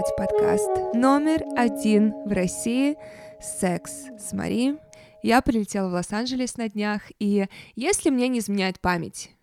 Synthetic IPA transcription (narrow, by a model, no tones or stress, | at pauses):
tʲpɐt̪ka̰st̪no̞mʲɪrɐdʲinvrɐsʲiɪsɛksːmɐ̰ɾʲi | japɾʲɪlʲɪtʲelˠəvlˠosanʐɨlʲɪsnɐdʲnʲaxijesʲlʲɪmnʲenʲɪɪzmʲɪnʲæjɪt̪̚pamʲɪ̰tʲ